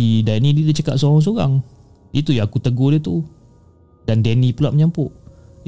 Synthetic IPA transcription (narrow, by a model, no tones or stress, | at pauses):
idanididit͡ʃəkatʔ̪soɣɔŋs̬oɣa̰ŋ | it̪ujaakut̪əɡodiət̪u | dandɛnipulaʔməɲampʊʔ